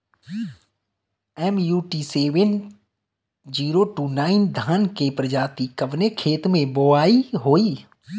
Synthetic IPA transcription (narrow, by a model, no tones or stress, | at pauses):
ɛmjuːʈiseːʋən | d͡ʒiːɾoʈuːnaːɪnd̪ʱaːnkepɾəd͡ʒaːt̪ikəʋnekʰeːt̪mẽboaːiɦoːiː